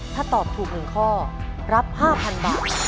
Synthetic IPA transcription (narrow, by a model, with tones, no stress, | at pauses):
t̪ʰaː˥˩t̪ɔː˨˩p̚t̪ʰuː˨˩k̚nɯ˨˩nkʰɔː˥˩ɾa˦˥p̚haː˥˩pʰa˧nbaː˨˩t̪̚